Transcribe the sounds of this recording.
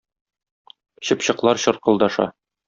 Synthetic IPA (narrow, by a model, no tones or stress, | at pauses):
ɕɤ̆pɕɤ̆qlˠɑɾɕɤ̆ɾqɤ̆lˠd̪ɑʃɑ̰